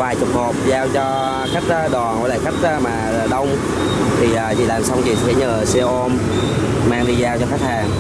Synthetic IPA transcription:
vaː˨˩jt͡ɕʊ˨˩k͡p̚ho˨˩p̚zaː˧wt͡ɕɔ˧ | xa˦˥k̟̚ːɗɔ˨˩n̰˨˧˨la̰ː˧˨xa˦˥k̚ʔmaː˨˩˨ɗə˧wŋ͡m | t̪ʰi˨˩ʔaː˨˩t͡ɕḭ˧˨laː˨˩msa˧wŋ͡mt͡ɕḭ˧˨sɛ̰˧˥ɲəː˨˩sɛ˧ʔo˧m | maː˧ŋɗi˧zaː˧wt͡ɕɔ˧xa˦˥k̚haː˨˩ŋ

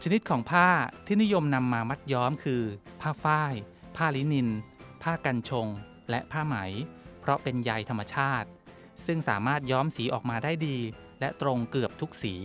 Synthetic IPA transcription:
t͡ɕʰa˧ni˦˥t̪̚kʰɔː˩˦ŋpʰaː˥˩t̪ʰiː˥˩ni˦˥jo˧mna˧mːaː˧ma˦˥t̪̚jɔː˦˥mkʰɯː˧pʰaː˥˩faː˥˩j | pʰaː˥˩li˦˥ni˧npʰaː˥˩ka˧nt͡ɕʰo˧ŋ | lɛ˦˥ʔpʰaː˥˩ma˩˦jpʰɾɔ˦˥pe˧nja˧jt̪ʰa˧mːa˧t͡ɕʰaː˥˩t̪̚ | sɯ˥˩ŋsa̰ː˩˦maː˥˩t̪̚jɔː˦˥msiː˩˦ʔɔ̰ː˨˩k̚maː˧daː˥˩jdiː˧ | lɛ˦˥t̪ɾo˧ŋkɯ˨˩əp̚t̪ʰu˦˥k̚siː˩˦

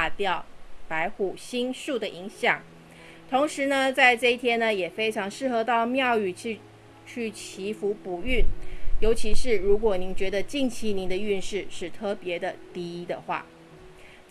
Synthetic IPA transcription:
a˥˧t̪jɑ˥˨˩ʊpa˧˥ɪxu˥˩ɕi˥nʂu˥˩d̪ə˩ʔi˧˥ŋɕjɑ˨˩˦ŋ | t̪ʰo˧˥ŋʂɻ̩˧˥nə˧t͡sa˥˧ɪʈ͡ʂɤ˥˧i˥t̪ʰjɛ˥nə˨jɛ˨˩fe˥ɪʈ͡ʂʰɑ˧˥ŋʂɻ̩˥˩xɤ˧˥t̪ɑ˥˧ʊmjɑ˥˧ʊy˥˩˥ | t͡ɕʰy˥˩t͡ɕʰi˧˥fu˧˥pu˨˩y˥˩njo˧˥ʊt͡ɕʰi˧˥ʂɻ̩˥˩ɻu˧˥k̬wɔ˨˩ni˧˥nt͡ɕɥɛ˧˥d̪ə˧t͡ɕi˥˩ŋt͡ɕʰi˧˥ni˧˥nd̪ə˧y˥˧nʂɻ̩˥˧ʂɻ̩˥˩t̪ʰɤ˥˩pjɛ˧˥d̪ə˨t̪i˥i˧˥d̪ə̰˨xwa̰˥˩

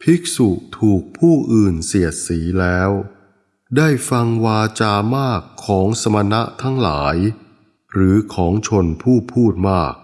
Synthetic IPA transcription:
pʰi˦˥k̚su˨˩ʔt̪ʰuː˨˩k̚pʰuː˥˩ʔɯː˨˩nsi˨˩ət̪̚siː˩˦lɛː˦˥w | daː˥˩jfa˧ŋwaː˧t͡ɕaː˧maː˥˩kʰːɔː˩˦ŋsa˧ma˧na˦˥ʔt̪ʰa˦˥ŋlaː˩˦j | ɾɯː˩˦kʰɔː˩˦ŋt͡ɕʰo˧npʰuː˥˩pʰuː˥˩t̪̚maː˥˩k̚

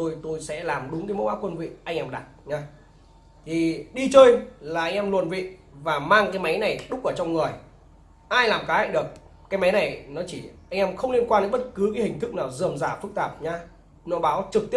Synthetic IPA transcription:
t̪o˧jt̪o˧jsɛ̰˧˥laː˨˩mɗʊ˨˦ŋ͡mkaː˨˦mo̰˧˦˥wʔaː˨˥kwə˧nvḭ˧˨ʔa˧jŋ̟ʔɛ˧mɗa˨˩t̚ɲa˧ | t̪ʰi˨˩ɗi˧t͡ɕəː˧jlaː˨˩ʔa˧jŋ̟ʔɛ˧mlwu˨˩ənvḭ˧˨vaː˨˩maː˧ŋkaː˨˦jma˨˦jna˨˩jɗʊ˦˥k͡p̚ʔəː˧˩t͡ɕɔ˧wŋ͡mŋɨ˨˩əj | ʔaː˧jlaː˨˩mkaː˨˦ha̰˧˨ɗɨ˨˩ək̚kːaː˨˦jma˨˦jna˨˩jnɔ˨˦t͡ɕi˧˩ʔa˧jŋʔɛ˧mxə˧wŋ͡mli˧ənkwaː˧nə˨˧˦ɓə˦˥t̚kɨ˨˦kaː˨˦hï˨˩ŋ̟t̪ʰɨ˦˥k̚naː˨˩wzɨ˨˩əmzaː˧˩fɨ˦˥k̚t̪aː˨˩p̚ɲa˧ | nɔ˨˦ɓaː˨˦wt͡ɕɨ˨˩k̚t̪i˦˥

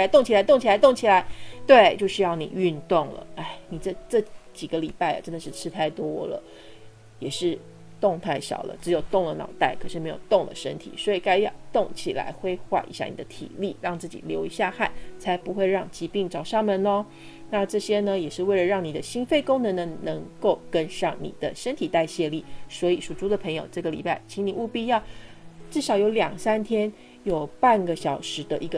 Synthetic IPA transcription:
a˧˥ɪt̪o˥˩ŋt͡ɕʰi˨˩la˧˥ɪt̪o˥˩ŋt͡ɕʰi˨˩a˧˥t̪ʊ˥˩ŋt͡ɕʰi˨˩la˧˥ɪt̪we˥˩ɪt͡ɕjo˥˧ʊʂɻ̩y˥˧jɑ˥˩ʊnḭ˨˩y˥˧nt̪ʊ˥˩ŋlə̰˩a˥˩ɪni˨˩ʈ͡ʂə˥˧˩ʈ͡ʂɤ˥˩t͡ɕi˨˩ɡə˦li˨˩pa˥˩ɪɐ̰˩ʈ͡ʂə˦˥nd̪ə˨˧ʂɻ̩˥˧ʈ͡ʂʰɻ̩˥t̪ʰa˥˩ɪt̪wɔ˦˥lə̰˨ | jɛ˨˩ʂɻ̩˥˩ | t̪ʊ˥˧ŋt̪ʰa˥˩ɪɕɑ̰˨˩ʊlə̰˦ʈ͡ʂɻ̩˧˥jo˨˩ʊt̪ʊ˥˩ŋlə˩nɑ̰˨˩ʊt̪a˥˩ɪkʰɤ˨˩ʂɻ̩˥˩me˧˥jo˨˩ʊt̪ʊ˥˩ŋd̪ə̰˨˩ʂə̰˥nt̪ʰḭ˨˩swɔ˧˥i˨˩ka˥ɪjt̪ʊ˥˩ŋt͡ɕʰi˨˩la̰˧˥ɪxwe˥ɪxwa̰˥˩ʔḭ˧˥ɕja̰˥˩nḭ˨˩d̪ə˦t̪ʰḭ˨˩li˥˩ɻɑ˥˧ŋt͡sɹ̩˥˩t͡ɕḭ˨˩ljo˧˥ʊi˧˥ɕja˥˧xa˥˩ɪt͡sʰa˧˥ɪpu˧˥xwe˥˧ɪɻɑ˥˧˩ŋt͡ɕi˧˥pi˥˩ŋʈ͡ʂɑ˨˩ʊʂɑ˥˩ŋmə˨nnə˧ | na˥˧ʈ͡ʂɤ˥˩ɕjɛ˥nə˧jɛ˨˩ʂɻ̩˥˧we˥˩ɪlə˩ɻɑ˥˩ŋni˨˩d̪ə˦ɕi˥nfe˥˩ɪkʊ˥ŋnə˧˥nə˧nə˧˥ŋko˥˩ʊkə˥nʂɑ˥˩ŋnḭ˨˩d̪̥ə̰˦ʂə˥nt̪ʰi˨˩t̪a˥˧ɪɕjɛ˥˧li˥˩swɔ˧˥i˨˩ʂu˨˩ʈ͡ʂu˥d̪ə˨pʰɤ˧˥ŋjo˨˧ʊʈ͡ʂɤ˥˩ɡə˩lḭ˨˩pa˥˩ɪt͡ɕʰi˧˥ŋni˨˩u˥˧pi˥jɑ˥˧ʊʈ͡ʂɻ̩˥˩ʂɑ˨˩ʊjo˧˥ʊljɑ˨˩ŋsa˥nt̪ʰjɛ˥n | jo˨˩ʊpa˥˩nɡə˩ɕjɑ˨˩ʊʂɻ̩˧˥d̪ə˧ʔi˧˥ɡ

